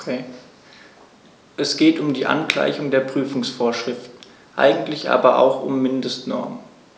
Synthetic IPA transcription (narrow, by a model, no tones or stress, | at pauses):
ʔɛsɡ̥eːtʊmdiːʔa̰nɡla̰ɪçʊŋdeːɐpʁ̥yːfʊŋsfoːɐʃʁ̥ɪftn̩ | ʔa̰ɪɡŋ̩tlɪçʔa̰ːbɐʔa̰ʊxʊ̰mːɪndəstnɔɐmən